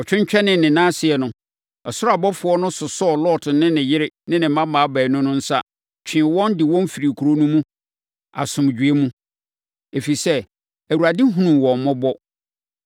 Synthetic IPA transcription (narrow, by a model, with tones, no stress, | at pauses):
ɔ˨t͡ɕᶣɪ̃˦ɲ˦t͡ɕᶣɛ˦nɪ̃˨nɪ̃˨nãː˦sɪ˨ɛ˨nʊ̃˨ | ɔ˨sʊ˦ɾa˨bɔ˦fʊ˨ɔ˦nʊ̃˦sʊ˨sɔ˦ɔ˨lɔ˦˨tʰʊ˨nɪ̃˦nɪ̃˨jɪ˦ɾɪ˦nɪ̃˦nɪ̃˨m˦mã˦mãː˨˦bæː˨nʊ̃˦nʊ̃˦n̩˦sa̰˦ | t͡ɕᶣʰɪ̃˨wɔ̃˦ndɪ˨wɔ̃˦m˦fi˨ɾi˨kʰu˨ɾo˦nũ˦mũ˦ | a̰˨sʊ̃˨m˨d͡ʑᶣɥe˦mũ˦ | e˨fi˨sɛ˦ | æ˨wu˨ɾa˨dɪ˦ɦũ˦nũ˨mwɔ̃˨m˨mɔ̃˦bɔ˦